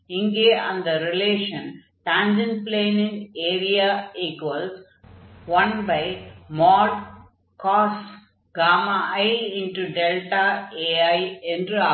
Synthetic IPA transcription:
ɪŋɡeːɐ̃nd̪ɐɾɪleːʃɐ̃n | ʈãːnd͡ʒɐnpleːnɪ̃ŋeːɾijaːiːkʋɐls | ʋɐ̃nbɐɪmɔːɾ | kɔːs | ɡaːmaʔɐɪɪ̃nʈuɖɛlʈaeːaɪɛndɾɯa

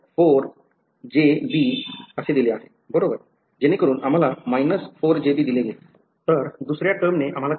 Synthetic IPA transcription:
foɾ | d͡ʑebiəsed̪ileaɦe | bəɽobəɾ | d͡ʑenekəɾuːnam̤alamajnəsfoɾd͡ʑebiːd̪ileɡet̪ | t̪əɾd̪usɾjaʈəmneʔam̤ala

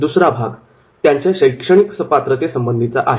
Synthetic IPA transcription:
d̪usɾabʱaɡ | t̪jaɲt͡ɕjaɕəjkʂəɽ̃iksəpat̪ɾət̪esəmbənd̪ʱit͡saʔaɦe

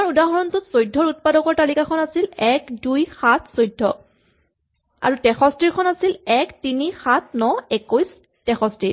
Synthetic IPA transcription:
amaɹudaɦɔɹɔntutsojdʱːɔɹut̚padɔkɔɹtalikakʰɔnasilɛkdujxatʰsojdʱːɔ̰ | a̰ɹutɛxɔstɹiɹkʰɔnasilɛktinixatʰnɔɛkojs | tɛxɔstɹiɹ

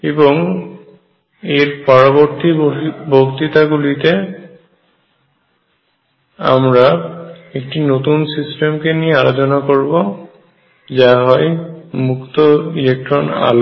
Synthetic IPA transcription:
eboŋ | eɾpaɾoboɾt̪ibokt̪it̪aɡulit̪e | a̰mɾaek̚ʈinot̪unsisʈemkeniealod͡ʑonakoɾbo | d͡ʑaɦɔemukt̪oilek̚ʈɾona̰lo

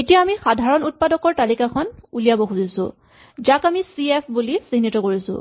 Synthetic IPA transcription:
etijaːmixadʱaɹɔnut̚padɔkɔɹtalikakʰɔnulijabɔxuzisʊ̰̃ | zakamisiepʰbulisinːitɔkoɹisʊ̰̃

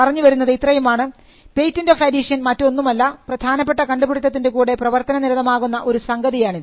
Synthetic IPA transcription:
ɐrɐɲːuʋɐɾunːɐðit̪rɐjumaːɳɨ | pe̞jtːindoːfɐdiʂjɐnmɐtːo̞nːumɐlːɐprɐd̪ʱaːnɐpːe̞ʈːɐkɐɳɖubiɽut̪ːɐt̪ːinde̞kuːɽe̞prɐʋɐrt̪ɐnɐniɾɐðɐmaːɣunːɐʔo̞ɾusɐŋɡɐðijaːɳiðɨ

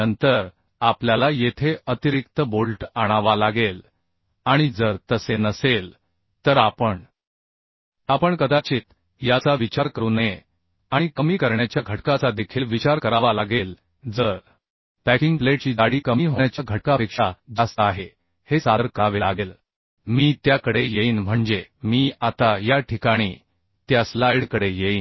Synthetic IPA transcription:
ənt̪əɾ | apljalajet̪ʰeət̪iɾik̚t̪əbolʈaɽ̃aʋalaɡel | aɽ̃id͡zəɾt̪əsenəsel | t̪əɾapəɳ | apəɳkəd̪at͡ɕiːt̪ | jat͡saʋit͡ɕaɾkəɾuːne | aɽ̃ikəmiːkəɾɳjat͡ɕjaɡʱəʈkat͡sad̪ekʰiːlʋit͡ɕaɾkəɾaʋalaɡel | d͡zəɾ | pækiŋɡpleʈt͡ɕiːd̪aɽiːkəmiːɦoɳjat͡ɕjaɡʱəʈkapekʂad͡zast̪aɦe | hesaəɾkaʋelaɡel | miːt̪jakəɽejeiːnm̤əɳd͡zemiːat̪ajaʈʰikaɽ̃iː | t̪jaslaiɽkəɽejeiːn

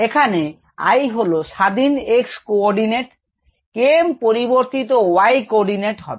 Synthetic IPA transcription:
ekʰane | a̰jɦoloʃad̪ʱinekskoɔɾɖineʈ | kempoɾiboɾt̪it̪owajkoɔɖineʈɦɔ̰e

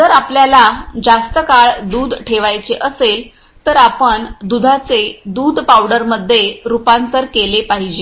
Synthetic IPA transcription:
t̪əɾapljalad͡zast̪əkaɭd̪uːd̪ʈʰeʋajt͡seʔəsel | t̪əɾapəɳd̪ud̪ʱat͡sed̪uːd̪ʱpawɽəɾməd̪ʱːjeɾupant̪əɾkelepaɦid͡ʑe

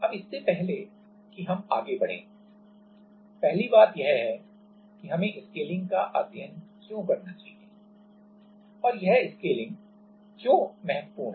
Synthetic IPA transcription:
ɐbɪsːepɛɦle | kiɦɐma̰ːɡebɐɽ̤ḛ̃ː | pɛɦlibaːt̪jɐɦɦɛ | kiɦɐmẽʔɪskeːlɪ̃ŋɡ̚ka̰ʔa̰ːd̪jə̃nkjõːkɐɾnat͡ʃaːɦie | ɔːɾjɐɦɪskeːlɪ̃ŋɡ | d͡ʒoːmɛɦɛt̪puːɾ

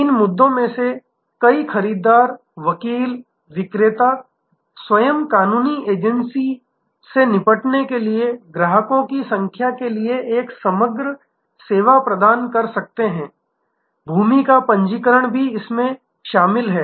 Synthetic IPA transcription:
ɪnmʊd̪ːõmẽse | kɐixɐɾiːd̪aːɾ | ʋɐkiːl | ʋɪkɾɪt̪a | swɐjəmkaːnuːnieːd͡ʒənsi | senɪpəʈnekelieɡɾaːɦəkõkisɐ̃ŋkʰjakelieʔeːksɐməɡɾə | seːʋapɾɐd̪aːnkɐɾsɐk̚t̪eɦɛ̃ː | bʱuːmikapɐ̃ɲd͡ʒikəɾəɽ̃bʱiɪsmẽ | ʃaːmɪlɦɛː

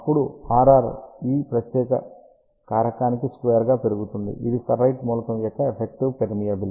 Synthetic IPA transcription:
ɐpːuɽuaːɾaːɾiːpɾɐt̪jɛːkɐ̰ | kaːɾɐkaːnikiskʋeːɾɡaːpe̞ɾuɡut̪und̪ḭʔid̪isɐɾːɐjʈmuːlɐkɐmjɔkːɐepʰek̚ʈiʋpeɾmijɐbil

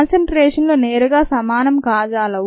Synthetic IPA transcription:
nsɐɳʈɾeːʂɐnloːneːɾuɡaːsɐmaːnɐmkaːd͡ʒaːlɐ

